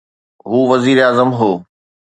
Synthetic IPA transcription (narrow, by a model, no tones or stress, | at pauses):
ɦuːʋɐziːɾaːzəmɦoː